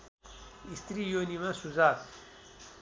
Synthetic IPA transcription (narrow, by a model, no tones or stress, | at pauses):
ist̪ɾijonimãsuzaːk